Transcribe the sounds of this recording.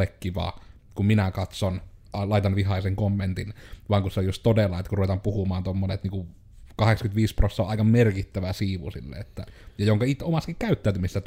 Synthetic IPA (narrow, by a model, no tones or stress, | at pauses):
ekːiʋɑ̰ː | kumminækɑt̪son | ɑlɑˑit̪ɑnʋihɑˑiseŋkomːent̪inʋɑːŋkuseojust̪t̪odelːɑet̪ːkuruʋet̪ɑmpuhumɑːnt̪omːonet̪niːŋku | kɑheksɑkyt̪ʋiːsprosːɑoʔɑˑikɑmmerkit̪ːæʋæsiːʋṵsḭlːḛet̪ːæ̰jɑjoŋkɑit̪ːˑeomɑskikkæyt̪ːæːˑyt̪ymisesæt̪